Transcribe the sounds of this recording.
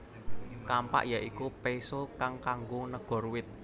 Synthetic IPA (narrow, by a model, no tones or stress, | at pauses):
kampa̰ʔjaʔikupesokaŋkaŋɡonəɡ̥ɔ̤ɾuwɪt̪̚